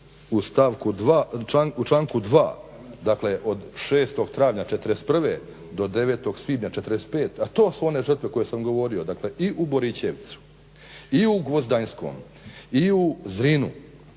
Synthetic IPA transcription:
ust̪aʋkud̪ʋaaŋut͡ʃlˠaːŋkud̪ʋa̰ː | d̪akle̞ʔod̪ʃeːst̪o̞ɡt̪ɾaːʋɲat͡ʃet̪ɾes̚pr̩ʋe | d̪o̞d̪eʋeːt̪o̞ɡsʋiːd̪ɲat͡ʃet̪ɾest̪pe̞ːt̪at̪o̞ːsuone̞ʐər̩t̪ʋeko̞jesamɡo̞ʋo̞ɾio̞d̪akle̞ʔiʔubo̞ɾit͡ɕeʋt̪su̥ | iuɡʋozd̪ajnsko̞̰ːm | iuzɾinṵ

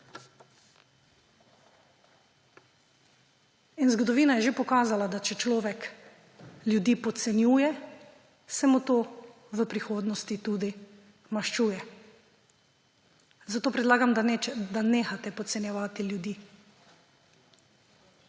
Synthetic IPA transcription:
inzɡɔd̪ɔʋiːnajɛʒepɔkaːzalad̪at͡ʃɛt͡ʃlɔːʋɛk | ljud̪iːpɔt̪sɛnjuːjɛ | sɛmut̪oː | ʋəpɾixoːd̪nɔst̪it̪uːd̪i | maʃt͡ʃuːjɛ | zat̪oːpɾɛd̪laːɡamd̪aneːxat̪ɛpɔt̪sɛnjɛʋaːt̪iljud̪iː

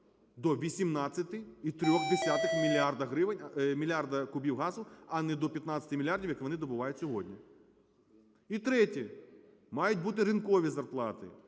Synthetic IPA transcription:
d̪ɔʋʲisʲimnɑt͡sʲːɐt̪ɪit̪ɾʲɔxd̪esʲat̪ɪxmʲilʲard̪ɐɦɾɪʋɪnʲmʲilʲjard̪ɐkʊbʲiwɦɑzʊɐnɛd̪ɔpʲjɐt̪nɑt̪t͡sʲɐ̥t̪ʲɪmʲilʲardʲiwjɐkʋɔnɪd̪ɔbʊʋɑjʊtʲsʲɔɦɔdʲnʲi | it̪ɾɛtʲi | mɑjʊtʲbut̪̬ɪɾɨnkɔʋʲizɐrplˠɑt̪ɪ̰

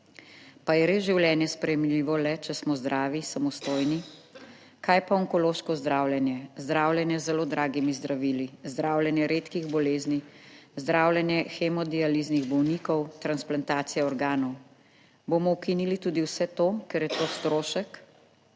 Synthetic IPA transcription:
pajɛɾezʒiwljɛːnjɛspɾɛjɛmliʋɔlɛt͡ʃɛsmɔzd̪ɾʔaːʋisamɔst̪oːjni | kʰajpaɔŋkɔloːʃkɔzd̪ɾaːwljɛnjɛzd̪ɾaːwljɛnjɛzːɛloːd̪ɾʔaːɡimizd̪ɾaʋiːlizd̪ɾaːwlʲjɛnjɛɾeːt̪kiɣbɔleːznizd̪ɾʔaːwlʲjɛnjɛxɛmɔd̪ializniɣbɔwnikɔwt̪ɾansplant̪aːt̪sijɛɔɾɡaːnɔw | boːmɔukinilit̪uːd̪iwsɛt̪okɛɾjɛt̪ost̪ɾoːʃək

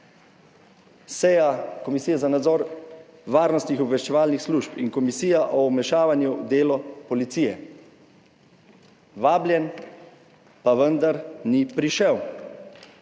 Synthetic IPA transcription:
sɛjakɔmisijɛzanad̪zɔːɾ | ʋaːɾnɔst̪nixɔbʋɛʃt͡ʃɛʋaːlnixsluʃpinkɔmisiːjaʔɔwmɛʃaːʋanjud̪eːlɔpɔlit̪siːjɛ̰ | ʋaːbljɛn | paʋənd̪aɾnipɾiʃɛw

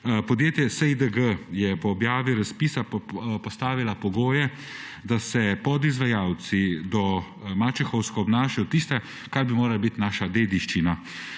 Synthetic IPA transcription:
pɔd̪jeːt̪jɛsəid̪əɡəjɛpɔːbjaːʋiɾaspiːsapɔst̪aːʋilapɔɡoːjɛ | d̪asɛpɔd̪izʋajaːw̪t͡ssid̪ɔ | mat͡ʃɛxɔwskɔɔbnaːʃajɔt̪ist̪ɛ | kaɾbimoːɾalabit̪naːʃad̪eːd̪iʃt͡ʃina

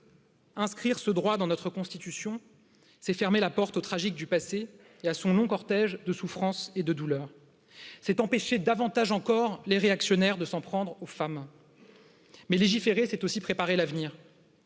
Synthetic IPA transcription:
ɛ̃skχiʁsəd̪ʁwad̪ɑ̃nɔt̪χəkɔ̃st̪it̪ysjɔ̃ | sɛfɛʁmelapɔʁt̪ot̪χaʒik̚d̪ypaseː | asɔ̃lɔ̃kɔʁt̪ɛʒd̪əsufχɑ̃sed̪əd̪ulœːʁ | sɛt̪ɑ̃peʃed̪avɑ̃t̪aʒɑ̃kɔʁleʁeaksjɔnɛʁd̪əsɑ̃pχɑ̃d̪ʁofam | mɛleʒifeʁesɛt̪osipχepaʁelavniːʁ

